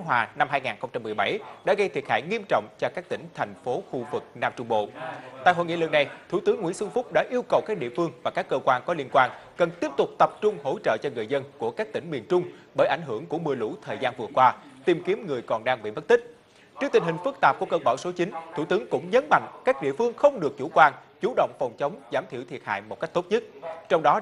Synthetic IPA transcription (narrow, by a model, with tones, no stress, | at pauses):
ŋɦwaː˨˩na˧mɦaː˧jŋaː˨˩nxə˧wŋ͡mt͡ɕa˧mːɨ˨˩əjɓa˧˩jɗa̰ː˧˥ɣə˧jt̪ʰi˨˩ət̚ha̰ː˧˩jŋi˧əmt͡ɕɔ̰˧˨wŋ͡mt͡ɕɔ˧kaː˦˥k̚t̪ï˧˩ŋ̟t̪ʰɛ˨˩jŋ̟fo˨˦xu˧vɨ˨˩k̚naː˧mt͡ɕʊ˧ŋ͡mɓo̰˧˨t̪a̰ː˧˨jɦo̰˧˨jŋḭ˧˥˨lɨ˨˩na˨˩jt̪ʰu˧˩t̪ɨ˨˦ŋːḭ˧˥nsɨ˧ŋfʊ˦˥k͡p̚ɗa̰ː˧˥ʔi˧əwkə˨˩wkaː˦˥k̚ɗḭ˧˨əfɨ˧əŋvaː˨˩kaː˦˥kːəː˧kwaː˧nkɔ˨˦li˧ənkwaː˧nkə˨˩nt̪i˦˥əp̚t̪ʊ˨˩k͡p̚t̪ə˨˩p̚t͡ɕʊ˧ŋ͡mho̰˧˥t͡ɕə̰ː˧˨t͡ɕɔ˧ŋɨ˨˩əjzə˧nku˧˩əkaː˦˥k̚t̪ï˧˩ŋ̟mi˨˩ənt͡ɕʊ˧ŋ͡mɓəː˧˩jʔa˧˩jŋ̟ɦɨ˧˩əŋku˧˩əmɨ˨˩əjlṵ˧˥t̪ʰəː˨˩jzaː˧nvɨ˨˩əkwaː˧t̪i˨˩mki˨˦əmŋɨ˨˩əjkɔ˨˩nɗaː˧ŋɓḭ˧˨mə˦˥t̚t̪i˦˥k̟̚ | t͡ɕi˦˥ət̪ï˨˩ŋ̟hï˨˩ŋ̟fɨ˦˥k̚t̪aː˨˩p̚ku˧˩əkəː˧ɓaː˧˩wso˨˦t͡ɕï˨˦ŋ̟t̪ʰu˧˩t̪ɨ˨˦əŋkʊ̰˧˥ŋ͡mɲə˨˦nma̰˧˨ŋ̟kaː˦˥k̚ɗḭ˧˨əfɨ˧əŋxə˧wŋ͡mɗɨ˨˩ək̚t͡ɕṵ˧˩kwaː˧n | t͡ɕu˧˩˦ɗə̰˧˨wŋ͡mfɔ˨˩wŋ͡mt͡ɕə˨˦wŋ͡mzaː˧˩mt̪ʰi˧˨wt̪ʰi˨˩ət̚ha̰ː˧˨jmo˨˩ka˦˥k̟̚t̪o˦˥t̚ɲɨ˦˥t̚t͡ɕɔ˧wŋ͡mɗɔ˨˦